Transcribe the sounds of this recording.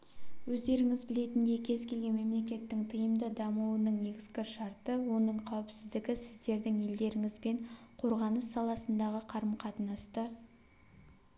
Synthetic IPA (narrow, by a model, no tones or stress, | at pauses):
wɵzd̪e̞ɾɪŋɪzbɪle̞t̪ɪnd̪e̞kʲʰe̞zkʲe̞lɡʲe̞nme̞mle̞kʲe̞t̪ːɪŋt̪ʰəjəmd̪əd̪ɑmuwənəɴne̞ɡʲɪzɡʲɪʃɑɾt̪əwo̞nəɴqʰɑwɪpsɪzd̪ɪɡʲɪsɪzd̪e̞ɾd̪ɪŋe̞ld̪e̞ɾɪŋɪzbe̞ɴqʰo̞ɾʁɑnəsːɑlˠɑsənd̪ɑʁəqʰɑɾəmqʰɑt̪ənɑst̪ə